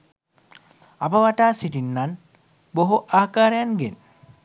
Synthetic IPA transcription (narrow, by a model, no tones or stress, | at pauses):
apəʋaʈaːsiʈinːan | boɦuʔaːkaːɾəjanɡen